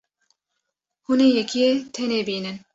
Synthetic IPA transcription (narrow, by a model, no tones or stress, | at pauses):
huneːjɛkʰijet̪ʰeneːbiːnɨn